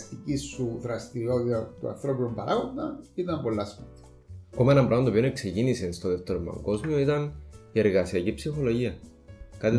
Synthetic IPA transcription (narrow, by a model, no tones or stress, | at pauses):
st̪icisːuðɾɐst̪iɾiot̪it̪ɐt̪uɐ̰nθɾopinombɐɾaɣond̪ɐnit̪ɐmbolːɐspɐt̪i̥ | akomɐenɐmbɾomɐt̪oione̞kse̞cinise̞nst̪oðe̞ft̪eɾomɐ̰ŋɡo̞zmio̞it̪ɐnie̞ɾɣɐsiɐcipsixo̞lo̞ʝiɐ | kɐt̪i